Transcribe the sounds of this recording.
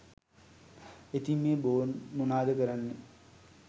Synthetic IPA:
et̪imːeːboːnmunaːd̪əkəɾanːe

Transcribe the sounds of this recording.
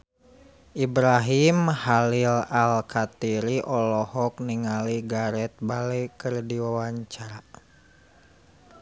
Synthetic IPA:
ʔibɾaɦimhalilalkat̪iɾiʔɔlɔhɔk̚niŋaliɡaɾɛt̪̚balɛkərdiwawaɲt͡ʃaɾa

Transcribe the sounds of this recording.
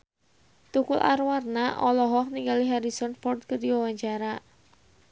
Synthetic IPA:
t̪ukʊlʔa̰rwarnaʔɔlɔɦɔhniŋɡaliɦaɾisɔnfɔrt̪̚kərdiwawaɲt͡ʃaɾa

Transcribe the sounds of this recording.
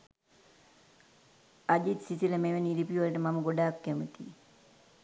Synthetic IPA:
ad͡ʒit̪sisiləmeʋeniɾipiʋɐləʈəmaməɡoɖaːkːæmət̪ḭ

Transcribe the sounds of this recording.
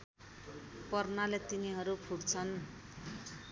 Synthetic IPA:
pʌrnalet̪iniɦʌɾupʰuɽt͡sʰʌn

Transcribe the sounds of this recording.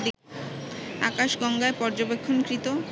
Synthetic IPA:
d̪i | a̰kaʃɡɔŋɡaepɔɾd͡ʑobekʰːonkɾit̪o

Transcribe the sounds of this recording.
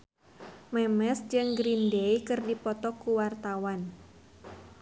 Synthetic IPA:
mɛmɛsd͡ʒɨŋɡɾindeikɨrdipɔt̪ɔkuwart̪awan

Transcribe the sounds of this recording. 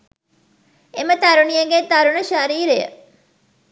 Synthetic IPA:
emət̪ɐɾunijɐŋɡet̪ɐɾunɐʃaɾiːɾejə̰

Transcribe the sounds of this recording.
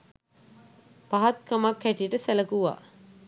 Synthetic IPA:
paɦat̪̚kamakːæʈiʈəsæləkuʋa̰ː

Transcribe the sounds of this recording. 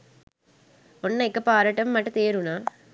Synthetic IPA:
ɔnːɐɪkːɐpaːɾaːʈːɐmːɐʈːɯ̃t̪eːɾũnaː

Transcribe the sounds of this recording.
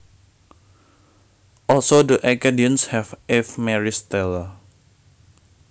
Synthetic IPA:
ʔɔlsodəʔɛkadiənshɛfɛfmɛɹist̪ɛl

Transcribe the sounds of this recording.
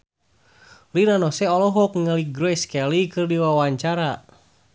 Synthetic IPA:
linanɔsɛɔlɔɦɔk̚ŋaliɡɾɔjskɛlikɨrdiwawaɲt͡ʃaɾa

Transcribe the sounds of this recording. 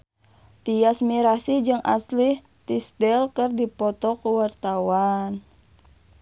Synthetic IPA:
t̪ijasmiɾasid͡ʒɨŋʔa̰slih | t̪isdɛlkɨrdipɔt̪ɔkuwart̪awan

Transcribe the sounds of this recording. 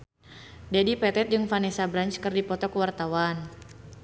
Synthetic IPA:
dɛdipɛt̪ɛt̪̚d͡ʒɨŋfanɛsabɾanɲt͡ʃkɨrdipɔt̪ɔkəwart̪awan

